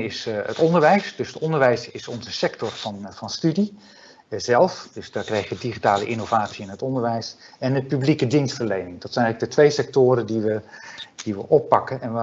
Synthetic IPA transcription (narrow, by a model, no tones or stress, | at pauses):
ɪsə̰tɔndəɹʋɛjsdɵsətɔndəɹʋɛjsɪsɔnzəsɛktɔɹvɑnvɑnstydi | zɛlˠfdɵsdaːɹkrɛjχəʋədiχitaːləʔɪnovaːtsiɪnɦətɔndəɹʋɛjs | ɛndəpyblikədinstfəɹlejnɪŋdɑtsɛnɛləɡ̚dətʋejsɛk̚tʊːɾədiʋəd̥iʋə̰ʔɔpːɑkənɛn